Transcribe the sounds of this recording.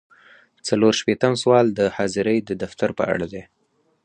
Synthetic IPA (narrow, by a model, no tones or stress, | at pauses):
t͡saloɾʃpet̪əmswɑld̪əhɑzɪɾəjd̪əd̪aft̪aɾpə̰a̰ɽad̪e